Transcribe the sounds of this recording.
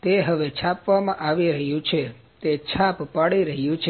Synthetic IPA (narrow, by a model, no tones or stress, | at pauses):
t̪eɦəʋet͡ʃʰapʋamãʔaʋiɾəɦjũt͡ʃʰe | t̪et͡ʃʰappaɽiɾəɦjũt͡ʃʰ